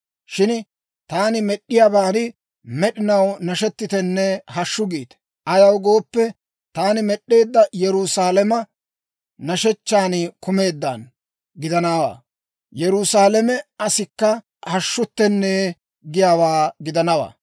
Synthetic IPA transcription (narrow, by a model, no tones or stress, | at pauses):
ʃɪn | t̪aːnɪmɛɗːɪjaːbaːnɪ | mɛɗɪnɐwnɐʃɛt̪ːɪt̪ɛnːɛɦɐʃːʊɡiːt̪ | ʔɐjɐwɡo̞ːpːɛ | t̪aːnɪmɛɗːe̞ːd̪ːɐjɛɾusaːlɛmɐ | nɐʃɛt͡ʃːaːnkʊme̞ːd̪ːɐn | ɡɪd̪ɐnaːwa̰ː | jɛɾusaːlɛmɛɐsɪkːɐ | hɐʃːʊt̪ːɛnːeː | ɡɪjaːwaːɡɪd̪ɐnɐwa̰ː